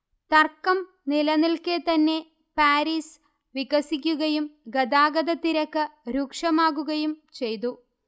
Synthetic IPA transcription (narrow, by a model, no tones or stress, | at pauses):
t̪ɐrkːɐm | nilɐnilket̪ɐnːe̞ | paːɾiːs | ʋiɡɐsikʲːuɣɐjumɡɐd̪aːɡɐd̪ɐt̪ːiɾɐkːɨɾuːkʂɐmaːɣuɣɐjumt͡ɕe̞jt̪̬u